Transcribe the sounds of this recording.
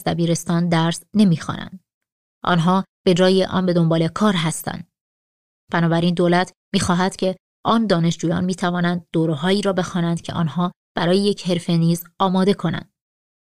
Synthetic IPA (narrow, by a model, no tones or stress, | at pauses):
d̪æbiːɾe̞st̪ɒːnd̪æɾsne̞miːxɒ̰ːnæ̰nd̪ | ʔɒ̰ːnɦɒːb̥e̞d͡ʒɒːjiʔɒ̰ːnbe̞d̪o̞mbɒːle̞kʰɒːɾɦæst̪æ̰nd̪̥ | b̥ænɒːbæɾiːnd̪oːlæt̪ʰ | miːxɒːɦæt̪cʰe̞ | ʔɒːnd̪ɒːne̞ʃd͡ʒuːjɒ̰ːnmiːt̪ʰævɒːnænd̪̚ːoːɾeɦɒːiːɾɒːbe̞xɒːnænd̪̥cʰe̞̰ʔɒ̰ːnɦɒː | b̥æɾɒːjejecʰhe̞ɾfeniːzɒːmɒːd̪e̞kʰo̞næ̰nd̪̥